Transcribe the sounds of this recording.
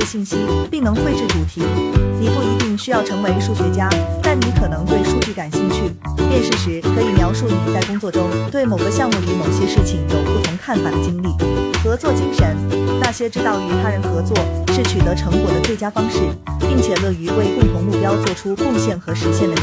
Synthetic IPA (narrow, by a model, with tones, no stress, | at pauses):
ɕi˥˩nɕi˥npi˥˩ŋnɤ˧˥ŋxwe˥˧ʈ͡ʂɻ̩˥˩t͡su˧˥t̪ʰi˧˥ni˨˩pu˥˩i˧˥t̪i˥˩ŋɕy˥jɑ˥˩ʊʈ͡ʂʰɤ˧˥ŋwe˧˥ɪʂu˥˩ɕɥɛ˧˥t͡ɕja˥t̪a˥˩nni˧˥kʰɤ˨˩nɤ˧˥ŋt̪we˥˧ɪʂu˥˧t͡ɕy˥˩ka˨˩nɕi˥˧ŋt͡ɕʰy˥˩pjɛ˥˧nʂɻ̩˥˩ʂɻ̩˧˥kʰɤ˥i˧˩mjɑ˧˥ʊʂu˥˩ni˨˧˩t͡sa˥˩ɪkʊ˥ŋt͡swɔ˥˩ʈ͡ʂʊ˥ŋt̪we˥˩ɪmo˨˩ʊɡə˦ɕjɑ˥˧ŋmu˥˩y˧˥mo˨˩ʊɕjɛ˥ʂɻ̩˥˩t͡ɕʰi˨˩ŋjo˨˩ʊpu˥˩t̪ʰʊ˧˥ŋkʰa˥˩nfa˨˩d̪ə˦t͡ɕi˥ŋli˥˩xɤ˧˥t͡swɔ˥˧t͡ɕi˥ŋʂə˧˥nna˥˩ɕjɛ˥ʈ͡ʂɻ̩˥t̪ɑ˥˩ʊy˧˥t̪ʰa˥ɻə˧˥nxɤ˧˥t͡swɔ˥˩ʂɻ̩˥˩t͡ɕʰy˨˩t̪ɤ˧˥ʈ͡ʂʰɤ˧˥ŋkwɔ˨˥˩d̪ə˦t͡swe˥˩ɪt͡ɕja˥fɑ˥ŋʂɻ̩˥˩pi˥˩ŋt͡ɕʰjɛ˨˩lɤ˥˩y˧˥we˥˧ɪkʊ˥˩ŋt̪ʰʊ˧˥ŋmu˥˩pjɑ˥ʊt͡swɔ˥˩ʈ͡ʂʰu˥kʊ˥˧ŋɕjɛ˥˩nxɤ˧˥ʂɻ̩˧˥ɕjɛ˥˩nd̪ə˨˧˩